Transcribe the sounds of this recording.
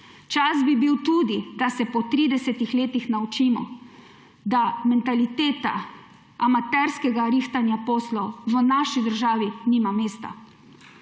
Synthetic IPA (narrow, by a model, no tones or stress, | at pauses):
t͡ʃazbibiwt̪uːd̪id̪asɛpɔt̪ɾiːd̪ɛsɛt̪ixleːt̪ixnaut͡ʃiːmɔ̰ | d̪amɛnt̪alit̪eːt̪a̰ | amat̪ɛɾskɛɡaɾiːxt̪anjapɔːslɔʋənaʃid̪əɾʒaːʋiniːmameːst̪a̰